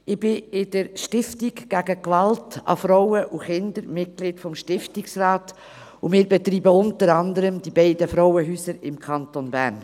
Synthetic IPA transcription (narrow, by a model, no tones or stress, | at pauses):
ɪb̥ɪɪdəɾʃtɪftiɡɡ̥æɡəkʋɑltɑ̰fɾɔʊəʔuχɪndəɾmɪt̚kliːtfɔmʃtɪftɪksrɑːt | ʊmɪːɾbɛt̪ɾiːbəʊntəɾɑnd̪əɾəmd̥ibɛɪdəfɾɔwəɦyːsəɾɪmkʰɑntonbæ̰ɾn